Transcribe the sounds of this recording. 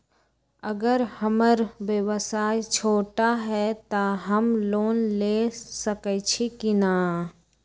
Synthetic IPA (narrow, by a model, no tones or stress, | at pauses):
əɡəɾhəməɾʋjəwəsaːjt͡ʃʰoːʈaɦɛt̪aɦəmloːnlesəkət͡ʃʰekinaː